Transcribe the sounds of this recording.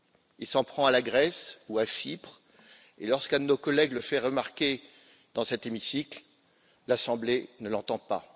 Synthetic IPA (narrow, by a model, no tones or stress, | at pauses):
ilsɑ̃pχɑ̃alaɡʁɛsuafipχ | ḛlɔʁskɛ̃d̪ənokɔlɛɡləfɛʁəmaʁkʲe | d̪ɑ̃sɛt̪emisikl | lasɑ̃blenəlɑ̃t̪ɑ̃pa̰